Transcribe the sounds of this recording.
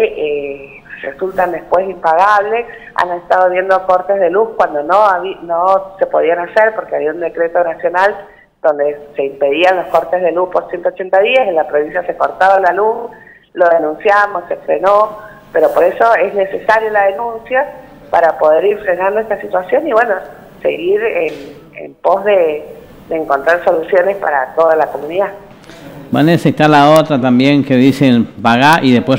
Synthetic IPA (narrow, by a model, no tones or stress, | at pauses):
eʔe | rḛsult̪and̪e̞hpwe̞simpaɣaβ̞le̞ | a̰nest̪aðoβjend̪o̞ko̞ɾt̪ezðe̞luhkwand̪o̞noaβinose̞poð̞ianaseɾpo̞ɾkeaβiaund̪e̞kɾe̞t̪o̞nasjo̞nal | d̪̥o̞nd̪ese̞impe̞ð̞ianlo̞skoɾt̪e̞zð̞e̞luhpoɾsje̞nt̪oːt͡ʃe̞nt̪aðiasenlapɾo̞βinsjase̞ko̞ɾt̪aβalalus | lo̞ðe̞nũnsjamosːefɾeno̞ | peɾo̞po̞ɾe̞so̞e̞zne̞sesaɾjolaðenũnsja | paɾapo̞ð̞e̞ɾiɾfɾenãnd̪oest̪asit̪wasjo̞niβwe̞no | sḛɣiɾen | ḛmpo̞zðe | d̪eːŋko̞nt̪ɾaɾso̞lusjo̞nespa̰ɾat̪o̞ðalako̞mũniða | banesest̪alaot̪ɾat̪ambje̞ŋkeðisenpaɣaʔiðepwes